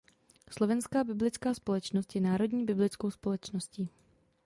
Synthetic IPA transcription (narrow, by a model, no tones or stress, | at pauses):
slo̞vɛnskaːbɪblɪt͡skaːspo̞lɛt͡ʃnost̪jɛnaːɾo̞dɲiːbɪblɪt͡skowspo̞lɛt͡ʃnosciː